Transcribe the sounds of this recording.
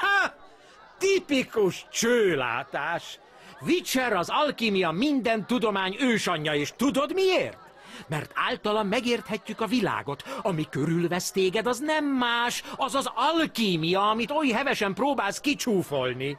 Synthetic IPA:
ha | t̪ipikuʃt͡ʃøːla̰ːt̪aːʃ | vit͡ʃɛɾɒzɒlkiːmijɒmind̪ɛnt̪ud̪o̞maːɲøːʃɒɲːɒeːʃt̪ud̪o̞d̪mieːrt̪ | mɛrt̪ʰa̰ːlt̪ɒlɒmːɛɡeːrt̪hɛcːykɒvila̰ːɡo̞t̪ɒmikøɾylvɛst̪eːɡɛd̪ɒznɛmːaːʃɒzɒzɒlkiːmijɒɒmit̪ojɦɛvɛʃɛmproːbaːlskit͡ʃuːfo̞lni

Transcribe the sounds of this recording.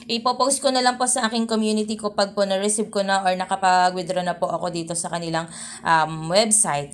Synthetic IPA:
ʔɪpopowst̪̚konɐlɐŋpo̞sɐʔaːkɪŋkomjuːnɪt̪̬ikopɐɡ̚ponɐɾɛsib̚konɐʔoɹnɐkɐpɐɡwɪd̪ɾonɐpoʔɐko̞d̪iːt̪o̞sɐkɐnɪlaŋ | ʔɐmwɛbsajt̪̚

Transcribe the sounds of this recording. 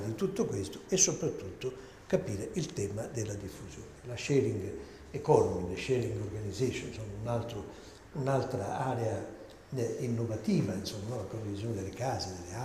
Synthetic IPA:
d̪it̪ut̪ːokwest̪ʊ̥ɛsːopɾat̪ːut̪ːo | kapiːɾeʔilt̪ɛmad̪elad̪ifːuzjoːnelaʃɛːɾiŋɡ | ekɔnɔmid̪eʃɛɾiŋɡɔɾɡanizeʃonsonunalt̪ɾo | unalt̪ɾaaːɾɛa | inːovat̪iːvainsomːanɔlakond̪ivizjoːned̪elekaːzid̪elea

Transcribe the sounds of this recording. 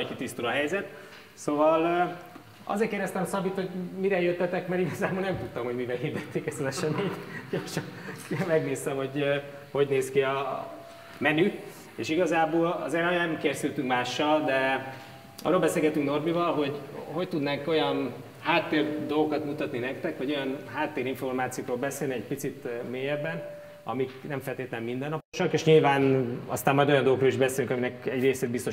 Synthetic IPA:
jkit̪ist̪ulɒɦɛjzɛt̪ | sovɒl | ɒ̰zeːrkeːrd̪ɛst̪ɛmsɒbit̪ho̞ɟmiɾɛjøt̪ːɛt̪ɛkmɛɾiɡɒzaːbolnɛmt̪ut̪ːɒmho̞ɟmivɛlɦiːrd̪ɛt̪ːeːkɛzɒzɛʃɛmeːt̪ɟ̥orʃɒnmɛɡneːst̪ɛmho̞ɟ | ho̞ɟneːskiɒ | mɛny | ḛːʃiɡɒzaːboːlɒ̰zeːɾɒjɛkersylt̪yŋkmaːʃːɒld̪ɛ | ɒ̰ːrːoːlbɛselɡɛt̪yŋkno̞rbivɒlɦo̞ɟɦo̞ct̪ud̪naːko̞jɒn | haːt̪ːeːrd̪olɡokɒt̪mut̪ɒt̪ninɛk̚t̪ɛkʋɒɟo̞jɒnɦaːt̪ːeːɾiɱfo̞rmaːt̪sijoːkroːlbɛseːlniɛɟ̚pit̪sit̪meːjɛbːɛn | ɒ̰miknɛɱfɛlt̪eːt̪lɛmːind̪ɛnːɒpoʃɒkeʃɲilvaːnɒst̪aːmːɒjd̪ojɒndoɡoroːliʒbɛseːlyŋkɒminɛkɛɟreːseːd̪bist̪o̞

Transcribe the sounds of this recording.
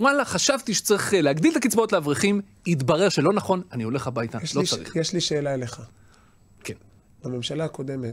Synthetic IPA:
walaχaʃavt̪iʃe̥t͡saʁiχleaɡd̪ilt̪akit͡sbaot̪leavʁiχim | it̪baʁe̞ʁʃelo̞naχo̞nanio̞le̞χabajt̪aʃloaḭχjɛʃliʃeːlaeleχa | ken | b̥ame̞mʃalaako̞d̪emet

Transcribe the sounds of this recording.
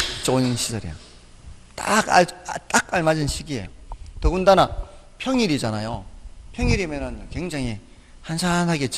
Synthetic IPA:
t͡ɕ͈oinɕʰisʌɾḭjo̰ | t͈aka̰t͈akaɭmad͡ʑinɕʰiɡie̞̰jotʌɡundana | pʰjʌŋiɾid͡ʑanajopʰjʌŋiɾimjenɯnkwe̞ŋd͡ʑaŋɦi | hansʰanɦaɡe̞t͡ɕ͈

